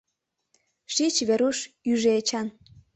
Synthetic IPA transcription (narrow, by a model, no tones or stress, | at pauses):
ʃit͡ɕβeɾuʃ | yʒeet͡ɕɑn